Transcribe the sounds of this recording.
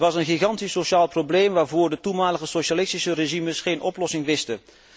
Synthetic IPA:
ʋɑsənɣiχɑntisoʃaːlˠproblejmʋaːɹvʊːɹdətumaːləɣəsoʃalɪstisəreʒiməsχejnʔɔplɔsɪŋʋɪstə

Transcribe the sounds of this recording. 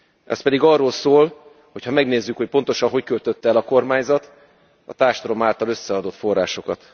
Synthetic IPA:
ʔɛ̰spɛd̪iɡɒrolsoːl | ho̞chɒmɛɡneːzːykhocpo̞n̪t̪o̞ʃɒnɦo̞ckølt̪ø̞t̪ːɛlɒko̞rmaːɲzɒt̪ | ɒ̰t̪aːrʃɒɾo̞maːlt̪ɒlø̞sːɛɒd̪o̞t̪fo̞rːaːʃo̞kɒt̪

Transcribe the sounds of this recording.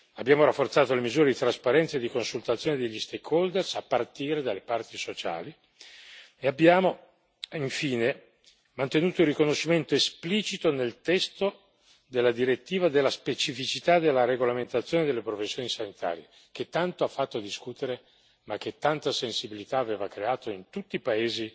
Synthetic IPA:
abːjaːmoɾafːort̪saːt̪olemizuːɾed̪it̪ɾaspaɾɛnt̪saed̪ikonsult̪at̪sjoːned̪eʎːist̪ekʰːold̪ersapːart̪iːɾed̪alːepart̪isot͡ʃa̰ːli | eabjaːmo | iɱfiːne | mant̪enuːt̪oirikonoʃːiment̪oespliːt͡ʃit̪onelt̪ɛst̪o | d̪elːad̪iɾet̪ːiːvad̪elːaspet͡ʃifit͡ʃit̪ad̪elːaɾeɡolament̪at̪sːjoːned̪elːepɾofesːjoːnisanit̪ʰa̰ːɾje | k̟et̪ːant̪oafːat̪ːoad̪iskuːt̪eɾe | mak̟ːet̪ːant̪asensibilit̪aːveːvakɾeaːt̪oint̪ut̪ːipaeːzi

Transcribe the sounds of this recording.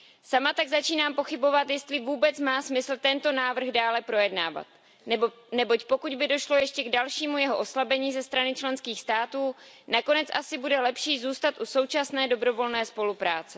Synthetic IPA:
samat̪aɡzat͡ʃiːnaːmpo̞xɪbo̞vat̪jɛst̪lɪvuːbɛt͡smaːsmɪsl̩t̪ɛnt̪o̞naːvr̩ɣdaːlɛpɾo̞jɛdna̰ːva̰t̪ | nɛ | nɛbo̞cpo̞kuɟbɪdo̞ʃlo̞jɛʃcɛɡdalʃiːmujɛɦo̞ʔo̞slabɛɲiːzɛst̪ɾanɪt͡ʃlɛnskiːxst̪aːt̪uːnako̞nɛt͡sʔasɪbudɛlɛpʃiːzuːst̪at̪ʔuso̞wt͡ʃasnɛːdo̞bɾo̞vo̞lnɛːspo̞lupɾaːt͡sɛ

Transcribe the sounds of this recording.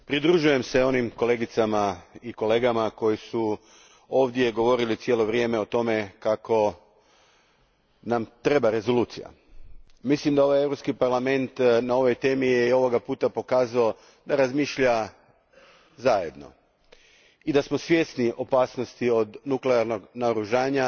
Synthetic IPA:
pɾid̪ɾuʒuje̞mse̞o̞nimko̞le̞ɡit̪samaiko̞le̞ːɡamako̞jisu | o̞ːʋd̪je̞ɡo̞ʋo̞ɾilit̪sje̞ːlo̞ʋɾje̞ːme̞o̞t̪o̞me̞kako̞ | namt̪ɾe̞baɾe̞zo̞luːt̪sija̰ | mislimd̪ao̞ʋaje̞ʋɾopskipaɾlˠame̞nt̪nao̞ʋo̞jt̪e̞ːmijeio̞ʋo̞ɡapuːt̪apo̞kaːzao | d̪aɾazmiʃʎa | zaje̞d̪no̞̰ | id̪asmo̞sʋje̞sniʔo̞paːsno̞st̪io̞d̪nukleaɾno̞ɡnaoɾuʒaːɲa

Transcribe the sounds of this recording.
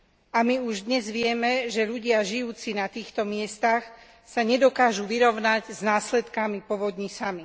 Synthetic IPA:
amiuʒd̪ɲɛzʋɪɛmɛʒɛʎuɟɪaʒijuːt͡sinat̪iːxt̪ɔmɪɛst̪ax | saɲɛd̪ɔkaːʒuʋiɾɔʊnaɟznaːslɛt̪kamipɔʋɔd̪ɲisami

